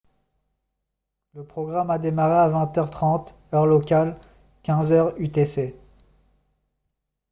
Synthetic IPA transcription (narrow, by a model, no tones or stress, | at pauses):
ləpχɔɡʁamad̪emaʁeavɛ̃t̪œʁt̪χɑ̃t̪ | œʁlɔkal | kʲɛ̃zœʁyt̪ese